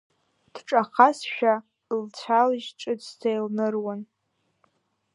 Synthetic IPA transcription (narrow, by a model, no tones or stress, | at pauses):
d̥ʈ͡ʂʼaχasʃᶣa | lt͡ɕʷʰaliʒʈ͡ʂʼɨd͡ztʰejlnɨrwan